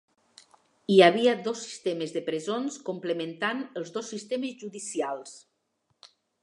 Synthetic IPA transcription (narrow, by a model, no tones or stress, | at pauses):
iaβ̞iad̪osːi̥st̪emezðəpɾezonskumpləmẽnt̪anəlˠzðosːist̪emezʒuðisialˠs